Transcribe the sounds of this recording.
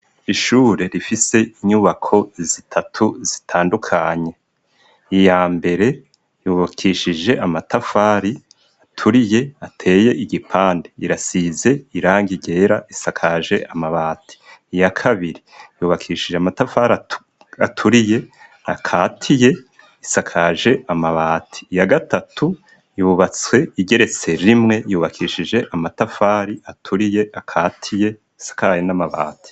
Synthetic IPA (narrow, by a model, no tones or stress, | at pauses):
iʃuːɾe̞ɾifise̞iɲuβakʰo̞zitʰatʰuzitʰaːndukʰaɲe̞ | ijaːmbe̞ɾe̞ | juːβakʰiːʃid͡ʒe̞ʔamatafaːɾi | atʰuɾije̞atʰe̞ːje̞ʔiɡipʰaːndeiɾasize̞iɾaːŋɡiɟe̞ːɾaʔisakʰaʒe̞̰ʔamaβaːtʰi̥jakʰaβiɾijuːβakʰiʃid͡ʒeamatafaɾa | atʰuɾije̞ | akʰaːtʰije̞ | isakʰaʒe̞amaβaːtʰi̥jaɡatatʰu | juːβat͡swe̞iɟe̞ɾe̞t͡se̞ɾimŋe̞juːβakʰiʃid͡ʒe̞ʔamatafaːɾiatʰuɾije̞ʔakʰaːtʰije̞ | isḁkajenamaβa̰ːtʰi̥